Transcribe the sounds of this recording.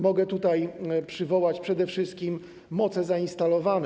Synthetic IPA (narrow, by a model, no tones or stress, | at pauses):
mɔɡɛt̪ut̪ajpʂɘvɔwat͡ɕpʂɛd̪ɛfʂɘst̪̚kʲimː | ɔt̪sɛzainst̪alɔvan